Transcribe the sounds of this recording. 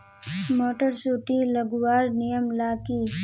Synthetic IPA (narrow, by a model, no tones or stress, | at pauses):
moːʈəɾsuːʈilɐɡwaːɾnijəmlaːkiː